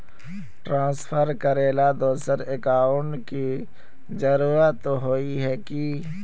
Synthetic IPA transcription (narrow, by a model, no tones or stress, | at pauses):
ʈɾãːspʰəɾkəɾeːlad̪oːsəɾekaːʊɳɖki | zəɾuːɾət̪ːoɦoːiɦɛki